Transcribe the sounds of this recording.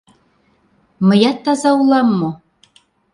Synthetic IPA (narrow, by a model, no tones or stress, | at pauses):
mə̆jɑt̪ːɑzɑulˠɑmːo